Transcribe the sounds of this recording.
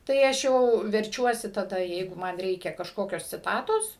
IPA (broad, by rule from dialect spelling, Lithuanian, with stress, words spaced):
ˈtɐɪ ˈɐʃ jɛʊ ʋʲɛrʲˈt͡ʃʲuɔsʲɪ tɐˈdɐ ˈjɛɪɡʊ mɐn ˈrʲɛɪkʲɛ kɐʃˈkoːkʲoːs t͡sʲɪˈtɑːtoːs